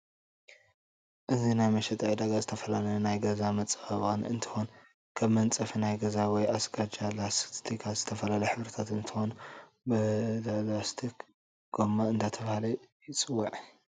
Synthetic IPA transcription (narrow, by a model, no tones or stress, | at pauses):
ʔɨzinajmɐʃɛt̪ʼajd̪aɡazɨt̪ʰɐfɐlalɐnajɡɐzamɐt͡sʼɨ̥fɐβanɨ̰nt̪ʰɨ̥xon | kʰɐβmɐnt͡sʼɐfinajɡɐzawɔjasɡad͡ʒalast̪ʰikʰaz̥ɨt̪ʰɐfɐlalɐjħɨβɾɐt̪ʰat̪ɨnt̪ʰɨxo̞n | bɨlalast̪ʰik | ɡ̥omaɨnd̪at̪ʰɐβhalɐjɪt͡sʼɨwːaʕ